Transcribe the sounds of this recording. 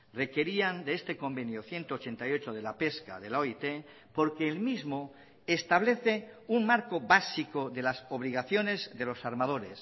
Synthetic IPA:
re̞ke̞ɾiand̪eest̪e̞ko̞mbe̞njoθje̞nt̪oːt͡ʃe̞nt̪ajo̞t͡ʃoð̞e̞lape̞ska̰ðe̞loit̪e | po̞ɾkeːlmizmo | est̪aβ̞le̞θe̞uŋmaɾkoβasikoðe̞lasoβ̞liɣ̞aθjo̞ne̞zðe̞lo̞saɾmað̞o̞ɾe̞s

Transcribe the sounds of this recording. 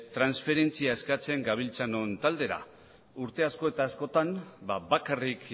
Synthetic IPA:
t̪ɾansfe̞ɾe̞nt͡siae̞skat͡se̞ŋɡaβ̞ilt͡sano̞nt̪ald̪e̞ɾa̰ | uɾt̪e̞asko̞e̞t̪aːsko̞t̪anbaβakarik

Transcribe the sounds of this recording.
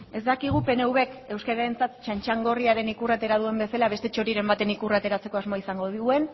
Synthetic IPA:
e̞zd̪akiɣ̞upe̞ne̞uβe̞ke̞wskaɾaɾe̞nt͡sat̪t͡ʃant͡ʃaŋɡo̞riaɾe̞nikurat̪e̞ɾað̞ue̞mbe̞salaβ̞e̞st̪e̞t͡ʃo̞ɾiɾe̞mbat̪e̞nikurat̪e̞ɾat͡se̞ko̞azmaisaŋɡo̞ðiɣue̞n

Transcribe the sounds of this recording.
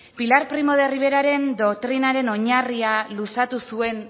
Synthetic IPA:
pilaɾpɾimo̞ð̞e̞riβ̞e̞ɾaɾe̞nd̪o̞kt̪ɾinaɾe̞no̞ɲarialusat̪usue̞n

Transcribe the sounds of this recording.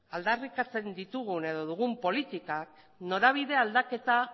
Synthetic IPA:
ald̪arikat͡se̞nd̪it̪uɣune̞ð̞o̞ðuɣumpo̞lit̪ikak̚ | no̞ɾaβ̞iðe̞ald̪ake̞t̪a

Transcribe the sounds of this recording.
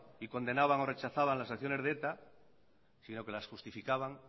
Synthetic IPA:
ikõ̞nd̪e̞naβaŋo̞ret͡ʃaθaβaŋlasakθjo̞ne̞zðet̪a | sino̞ke̞lasxust̪ifikaβaŋ

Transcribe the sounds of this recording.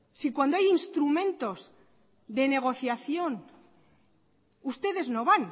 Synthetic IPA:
sikwand̪o̞ajinst̪ɾumẽ̞nt̪o̞z | ðe̞ne̞ɣ̞o̞θjaθjo̞n | ust̪e̞ðe̞zno̞βan

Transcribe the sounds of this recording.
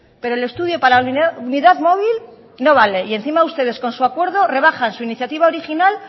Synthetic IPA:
pe̞ɾo̞ele̞st̪uðjo̞palaununiðaðmo̞β̞il | no̞β̞ale̞ie̞nθimaust̪e̞ðe̞sko̞nsuakwe̞ɾðo̞re̞βaxansuiniθjat̪iβao̞ɾixinal

